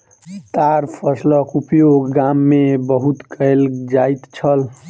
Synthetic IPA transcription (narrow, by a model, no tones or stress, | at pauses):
t̪aɾpʰʌslʌkupjoɡɡamːebəɦut̪kəjld͡ʒajt̪t͡ʃʰʌl